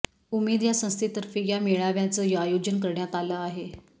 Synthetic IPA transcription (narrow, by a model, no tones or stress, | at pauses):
umed̪jasə̃st̪ʰit̪əɾfiːjameɭaʋjat͡səːjəajod͡ʑənkəɾɳjat̪aləːaɦe